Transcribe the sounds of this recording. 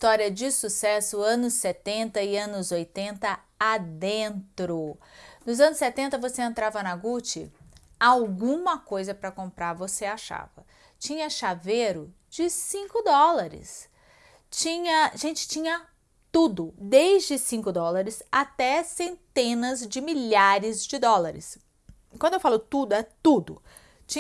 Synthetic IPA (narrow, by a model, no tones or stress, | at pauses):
ist̪ɔɾiɐd͡ʒɪsusɛsʊɐ̃nʊsːɛt̪ẽnt̪ɐɪɐ̃nʊzojt̪ẽnt̪ɐ | ad̪ẽnt̪ɾonʊzɐ̃nʊsːɛt̪ẽnt̪ɐvoseẽnt̪ɾavɐnɐɡut͡ʃɪ̰awɡũmɐkojzɐpɾɐkõmpɾaɾvoseaʃa̰vɐ̰ | t͡ʃĩɲɐʃaveɾʊ | d͡ʒɪsĩŋkʊd̪ɔlaɾɪ̰s | t͡ʃĩɲɐʒẽnt͡ʃɪ̥t͡ʃĩɲɐ | t̪ud̪ʊd̪ejzd͡ʒɪsĩkʊd̪ɔlaɾɪsat̪ɛsẽnt̪ẽnɐzd͡ʒɪmiʎaɾɪzd͡ʒɪd̪ɔlaɾɪ̰s | kwɐ̃d̪ʊewfalʊt̪ud̪ʊɛt̪ud̪ʊ̰ | t͡ʃĩ